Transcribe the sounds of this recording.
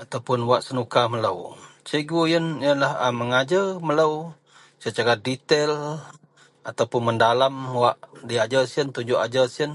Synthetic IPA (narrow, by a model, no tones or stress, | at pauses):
at̪awpʊnwaʔsənukamələwt͡ʃəɡujənjənlahəməŋad͡ʒamələw | sət͡ʃaɾadit̪ɛl | at̪awpʊnməndalamwaʔdiad͡ʒasiənt̪uɲd͡ʒʊʔad͡ʒasiən